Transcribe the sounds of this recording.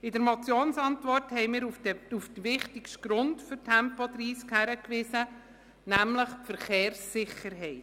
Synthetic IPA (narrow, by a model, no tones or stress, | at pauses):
ɪdəɾmɔt͡sjoːnsɑntʋɔrthɛɪmɪːɾuufd̥̪əʋɪχtɪkʃtɡ̥ɾʊndfʏɾtʰɛmpɔt̪riːskhæɾəkʋɪsə | næmləχfəɾχeːɾsːɪχəɾɦɛɪt